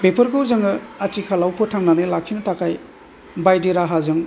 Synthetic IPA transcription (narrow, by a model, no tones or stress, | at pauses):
bepʰɯɾɡowzɯŋɯɐtikʰalawpʰɔtʰaŋnanɯlak̚sʰinɯtakʰaj | bajdeɾaɦazɯŋ